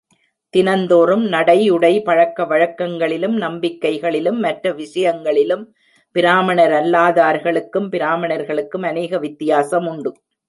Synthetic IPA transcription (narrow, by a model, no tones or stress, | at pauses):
t̪ɪnɐnd̪oːɾɯmnɐɽɐɪʊɽɐɪpɐɻɐkːɐʋɐɻɐkːɐŋɡɐɭɪlɯmnɐmbɪkːɐɪɣɐɭɪlɯmːɐʈrɐʋɪʂɐjɐŋɡɐɭɪlɯm | pɪɾaːmɐɳɐɾɐlːaːðaːɾɣɐɭɯkːɯmpɪɾaːmɐɳɐɾɣɐɭɯkːɯmɐneːɣɐʋɪt̪ːɪjaːsɐmʊɳɖɯ